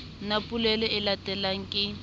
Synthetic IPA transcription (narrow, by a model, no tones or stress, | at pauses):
napʼulɛlɛɪlatʼɛlaŋ̩kʼɪ